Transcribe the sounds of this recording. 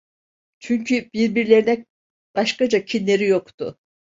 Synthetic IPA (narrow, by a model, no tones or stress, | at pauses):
t͡ʃʰyŋkʰʲyb̥iɾbiɾlʲe̞ɾinɛ | b̥ɑʃkɑd͡ʒakʲʰinːeɾijokt̪ʊ̰